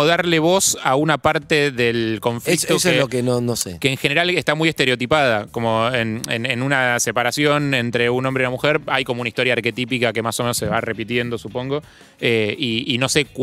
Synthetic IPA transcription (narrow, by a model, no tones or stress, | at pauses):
oðaɾleβ̞o̞saunapaɾt̪eðelko̞ɱflik̚t̪oselokenonosekeːŋxe̞neɾalest̪amujest̪e̞ɾeo̞t̪ipað̞ako̞mo̞enḛnenunase̞paɾasjo̞ne̞nt̪ɾe̞unombɾe̞unamuxeɾajko̞mounaist̪o̞ɾjaːɾke̞t̪ipikake̞masome̞noseβare̞pit̪je̞nd̪o̞supõ̞ŋɡo̞ | eiːno̞se̞k